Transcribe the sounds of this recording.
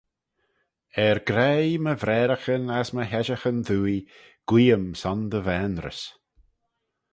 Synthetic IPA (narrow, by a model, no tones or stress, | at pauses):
ɛɾɡɾejməvɾɛːɾəxənasməɦɛʒəxənðuːi | ɡ̥wiːəmsɔnd̪əvɛːnɾə̰s